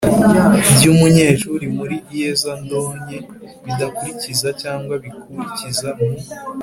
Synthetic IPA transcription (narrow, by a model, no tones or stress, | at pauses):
ibɟuːmuɲe̞ːʃuɾimuɾiijezando̞ːɲe̞βid̪akuɾicizacaːŋɡwaβikuɾicizamuo